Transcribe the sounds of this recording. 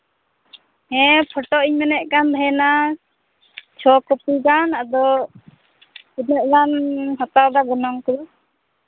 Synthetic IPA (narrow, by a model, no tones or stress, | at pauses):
hɛ̃pʰɔʈɔʔiɲmɛnɛʔkanb̪ʱaɛna | t͡ʃʰɔkɔpiɡanad̪ɔ | inɛʔ̚ɡanɦɔt̪awd̪aɡɔnɔŋkɔɾɔ